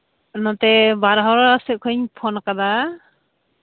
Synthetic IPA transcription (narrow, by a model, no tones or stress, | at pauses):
nɔt̪ɛbaɾɦɔɾasɛʔ̚kʰɔɲpʰɔnakad̪a